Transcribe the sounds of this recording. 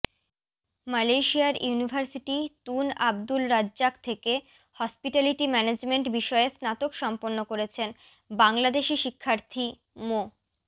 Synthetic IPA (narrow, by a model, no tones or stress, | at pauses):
malejʃiaɾjunibʱaɾsiʈit̪unab̚d̪ulɾad͡ʑʑak̚t̪ʰeke | hɔspiʈaliʈimɛned͡ʑmeɳʈbiʃɔeesnat̪okʃɔmponːokoɾet͡ɕʰen | baŋlad̪eʃiʃikʰːaɾt̪ʰi | mo